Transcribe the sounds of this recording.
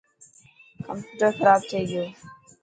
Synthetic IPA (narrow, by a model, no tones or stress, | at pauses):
kəmpjuːʈəɾxɐɾaːb̚t̪ʰeːɡɪjoː